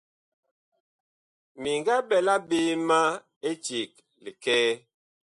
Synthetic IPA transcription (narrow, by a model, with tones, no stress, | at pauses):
mi˨ŋɡa˦bɛ˨la˦be˦ma˦ | e˦t͡ʃi˨k̚ | li˨kɛː˦